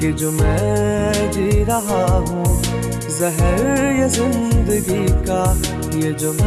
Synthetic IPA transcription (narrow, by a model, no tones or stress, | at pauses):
ked͡ʒoːmɛ̃ | d͡ʒiɾɐɦaɦũː | zɛɦɛɾjezɪ̃nd̪əɡika | jed͡ʒoː